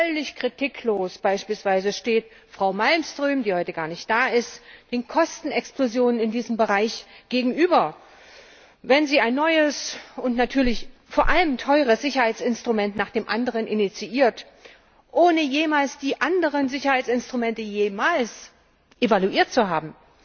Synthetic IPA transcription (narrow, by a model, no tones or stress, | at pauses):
œlɪçkʁ̥itʰikʰloːsb̥aɪʃpiːlsv̥aɪzəʃteːt | fʁ̥aʊmalmstʁ̥yːmdiːhɔʏtəɡaːɐnɪçt̚d̥aːɪstd̥eːnkʰɔstn̩ɛksplozjoːnənɪndiːzəmbəʁaɪçɡ̥eːɡŋ̩ʔyːbɐ | vɛnziːaɪnːɔʏəsʊntnatʰyːɐlɪçfoːɐʔaləmtʰɔʏʁ̞əsz̥ɪçɐhaɪt͡sɪnstʁ̥umɛntnaːχd̥eːmʔandəʁənʔɪnit͡siʔiːɐt | ʔoːnəjeːmaːlsd̥iːʔandəʁ̞ənzɪçɐhaɪt͡sɪnstʁ̥umɛntəjeːmaːls | ʔevaluʔiːɐt̚t͡suɦaːbm̩